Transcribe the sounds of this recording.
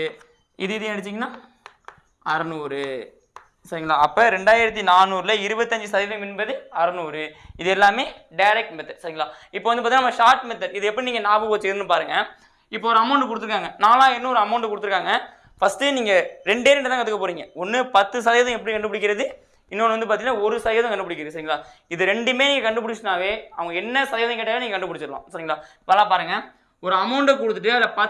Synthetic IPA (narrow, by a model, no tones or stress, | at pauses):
ɪðɯɪðɯɐɽɯt͡ʃːiŋɡɐnːaː | ɐɾɐnuːɾɯ | sɐɾiŋɡɐlaːɐpːoːɾɛɳɖaːjɪɾɐt̪ːinaːnuːɾɪlɐɪɾɯbɐt̪ːɐɲd͡ʒɯsɐðɐjɐðɐ̃mɪnbɐðɯɐɾɐnuːɾɯɪðɛlːaːmeːɖɐɪɾɛk̚ʈmɛt̪ːɐɾsɐɾɪŋɡɐɭlaːɪpːoːɐnd̪ɯpːaːt̪inɐmːɐʂaːɾʈmɛt̪ːɐlɪðɯɛpːɐɽiniːŋɡɐnaːbɯpoːt͡ʃːɪɾɯnːɯpaːɾɯŋɡɐ | ɪpːoːɔɾɯɐmɐʊɳɖɯkʊɽɯt̪ːɯɾɯkːaːŋɡɐnaːlãːɛnːɐ̃ɔɾɯɐmɐʊɳʈkʊɽt̪ɯɾɯkːaːŋɡɐ | fɐsʈɯniːŋɡɐɾɛɳɖeːɾɛɳɖɯt̪ãːkɐt̪ːɯkːɐpoːɾiːŋɡɐɔnːɯpɐt̪ːɯs̬ɐðɐjɐðɐ̃ɛpːɐɽikɐɳɖɯp̬ɐɽɪk̬ːɪɾɐðɯ | ɪnːɯnːʋɐnd̪ɯpaːɾt̪iŋɡɐnːaːɔɾɯsɐðɐjɐːðɐ̃kɐɳɖɯpɐɽɪkːɾɐðɯsɐɾɪŋɡɐlaː | ɪðɯɾɛɳɖɯmeːniːŋɡɐkɐɳɖɯpʊɽɪt͡ʃːnaːʋeːɐʋɐŋɡɐɛnːɐsɐðɐjɐðɐ̃ŋkeːʈːaːʋeːniːŋɡɐkɐɳɖɯpʊɽɪt͡ʃːɯɾɯlã̰ːsɐɾiŋɡɐlaːɪpːolːaːpaːɾɯŋɡɐ | ɔɾɯɐmɐʊɳɖekʊɽɯt̪ːɯʈːɯɐlɐpɐ